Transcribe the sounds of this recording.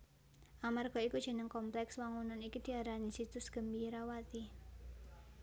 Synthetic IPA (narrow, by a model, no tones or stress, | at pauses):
ʔamarɡ̥ɔ̤ikud̥ʒ̥ə̤nəŋkɔmplɛkswaŋunanikid̪̥i̤aɾanisit̪ʊsɡ̥ə̤mbiɾawat̪i